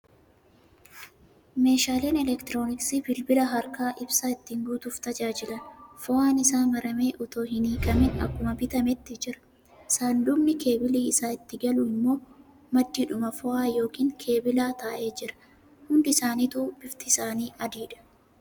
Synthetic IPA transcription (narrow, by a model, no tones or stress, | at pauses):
me̞ːʃaːle̞ːnɛlɛkt̪ɾo̞ːnɪksibɪlbɪlɐɦɐɾkaːʔɪbsaːɪt̪ːiːŋɡuːt̪ʊft̪ɐd͡ʒaːd͡ʒɪlɐnfɔaːnɪsaːmɐɾɐmeːʔʊt̪o̞ːɦɪniːkʼɐmɛnɐ̰kːʊmɐbɪt̪ɐmɛt̪ːɪd͡ʒɪɾɐ̥ | saːnd̪ʊbnɪke̞ːbɪliːɪsaːɪt̪ːɪɡɐlʊɪmːo̞ː | mɐd̪ːiᶑʊmɐfɔʔaːjo̞ːkiːŋkʰe̞ːbɪlaːt̪aːʔe̞ːd͡ʒɪɾɐ̥ | hʊnd̪ɪɪsaːniːt̪uːb̥ɪft̪ɪsaːniːɐd̪iːᶑɐ̥